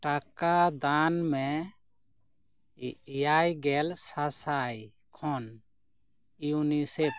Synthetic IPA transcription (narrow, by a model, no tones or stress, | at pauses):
ʈakːad̪anme | jajɡɛlsasaj | kʰɔn | ijunisep